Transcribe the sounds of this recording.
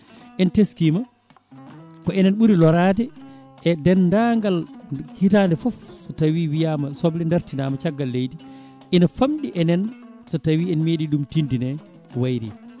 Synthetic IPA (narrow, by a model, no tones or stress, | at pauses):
ʔɛnteskima | kɔɛnɛnɓuɾilɔɾaːtɛ | ʔɛdɛnːdaŋɡalhitaːndɛfɔfsɔtawiwijamasɔblɛndaɾtinaːmat͡ʃaɡːalːejdi | ʔinafamɗiʔɛnɛnsɔtawiɛnmeɗiɗumtindinɛ | wajɾi